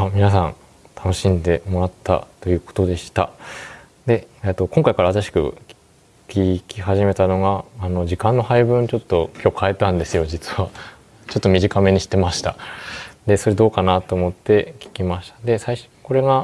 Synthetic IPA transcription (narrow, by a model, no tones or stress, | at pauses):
amʲinas̬ã̰n | t̪ʰano̞ɕĩnd̪e̞mo̞ɾat̪ʰːa̰t̪o̞jɯ̟ːko̞̥t̪o̞d̪e̞ɕi̥t̪a̰ | d̪e̞et̪ːo̞kõ̞ŋkaikaɾaβat̪aɕi̥kɯ̟̰̥ | kʲikʲiɦaʑime̞t̪ano̞ɡaːno̞d͡ʑikãnːo̞haibɯ̟̃nt͡ɕo̞t̪ːo̞kʲo̞ːkʰae̞t̪ãnd̪e̞sɨjo̞d͡ʑit͡sɨ̥βa | t͡ɕo̞t̪ːo̞mʲiʑikame̞ɲ̟iɕi̥t̪ːemaɕi̥t̪ad̪e̞so̞ɾe̞d̪o̞ːkanat̪o̞ːmo̞t̪ːe̞kʲi̥kʲimaɕi̥t̪ḁd̪e̞saiɕ | ko̞ɾe̞ɡa